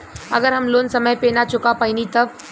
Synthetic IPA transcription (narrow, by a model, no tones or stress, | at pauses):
ɐ̰ɡəɾɦɐmloːnsɐməjpeːnat͡ʃʊkapainit̪ɐʋ